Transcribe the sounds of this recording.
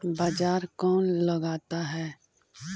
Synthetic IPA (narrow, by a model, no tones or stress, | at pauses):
baːd͡ʒaːɾkɔːnləɡaːt̪aɦɛː